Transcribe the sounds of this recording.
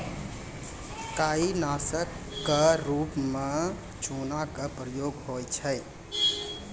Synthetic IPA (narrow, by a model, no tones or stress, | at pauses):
kainasəkːəɾupme | t͡ʃunakəpɾəjoɡhojt͡ʃʰəj